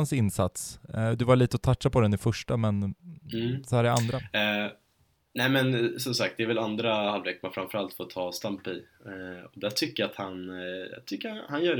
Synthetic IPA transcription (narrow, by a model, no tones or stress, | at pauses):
nsɪnsat̪sd̪ɵvaɭiːt̪əɔt̪ʰatʂapʰɔd̪ɛnɪfœʂʈamɛnː | sɔhæːɾæand̪ɾa | nɛmɛnsɔmsak̚t̪̚d̪ɛɾvɛland̪ɾahalveːkmanfɾanfœɾalt̪foːt̪ʰɑːst̪ampɪ | ɔd̪æʈʰʏkːəjaat̪hanj̰t̪ʰʏkːəhanjœː